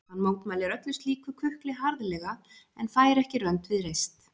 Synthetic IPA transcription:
hanːmoːwt̪majlɪɾœt̪lʏst̪liːkvʏkʰʏhklɪɦaɾðlɛɣa | ɛnfaːjɾɛhcɪrœnt̪vɪðɾejst̪

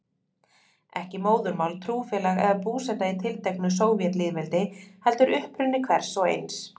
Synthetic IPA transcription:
ɛhcɪmoːwðʏɾmaːwlt̪ʰɾuːfɛːlaɣɛ̰ðapuːsɛt̪ait̪ʰɪlt̪ʰɛknʏsoːwvjɛt̪liːðvɛlt̪ɪhɛl̪t̪ʏɾʔʏhpɾʏnːɪkʰvɛɾ̥sɔɣḛjns

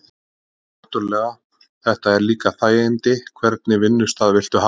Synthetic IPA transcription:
aht̪ʏɾlɛːɣa | θɛht̪aɛɾliːkaθaːjɪnt̪ɪkʰvɛɾt̪̚nɪvɪnːʏst̪aðvɪl̥t̪ʏha

